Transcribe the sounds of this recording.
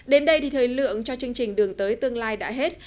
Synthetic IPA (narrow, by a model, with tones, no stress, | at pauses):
ɗe˨˦nɗə˧jt̪ʰi˨˩t̪ʰəː˨˩jlɨ̰˧˨əŋt͡ɕɔ˧t͡ɕɨ˧əŋt͡ɕï˨˩ŋ̟ɗɨ˨˩əŋt̪əː˨˦jt̪ɨ˧əŋlaː˧jɗa̰ː˧˥ɦe˦˥t̚